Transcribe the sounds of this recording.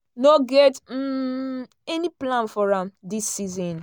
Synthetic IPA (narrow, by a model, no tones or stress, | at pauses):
noɡɛtm̩ | ɛniplãnfɔɹãmdisːizɔ̃n